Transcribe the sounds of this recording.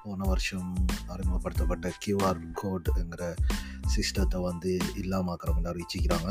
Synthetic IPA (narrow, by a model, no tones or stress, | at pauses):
poːnɐʋɐɾʂɐmɐɾɪmɐpːɐɽɯt̪ːɐpːɐʈːɐkɪʋaːɾkʰoːɖɛŋɡɪɾɐ | sɪsʈɐt̪ːɐʋɐnd̪ɯɪlːaːmaːkɐɾɐmɐlːɐɾɪt͡ʃːɪkʲːɪɾaːŋɡɐ